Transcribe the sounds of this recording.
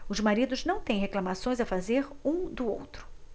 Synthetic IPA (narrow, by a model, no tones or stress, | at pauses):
ʊzmaɾid̪ʊznɐ̃w̃t̪ẽj̃ɦeklamasõj̃zɐfazeɾũd̪ʊo̰wt̪ɾʊ̥